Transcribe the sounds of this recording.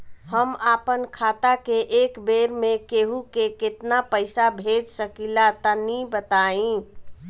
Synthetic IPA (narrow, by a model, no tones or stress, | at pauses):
həmapənkʰat̪akeʔekbeɾmekeɦukeket̪napəɪsabʱed͡ʒsəkilat̪ənibət̪aĩ